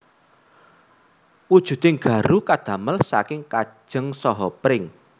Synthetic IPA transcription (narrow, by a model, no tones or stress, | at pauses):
wud̥ʒ̥ṳd̪̥eŋɡä̤ɾukad̪̥ä̤məlsakɪŋkḁʒ̥ə̤ŋsɔɦɔpɾɪŋ